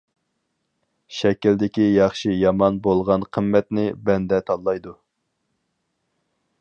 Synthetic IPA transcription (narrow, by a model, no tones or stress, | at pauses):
ʃɛkʲild̪ɪkʲijɑχʃijɑmɑnbolˠʁɑnqʰəmːɛt̪nɪbɛnd̪ɛt̪ʰɑlˠːɑjd̪u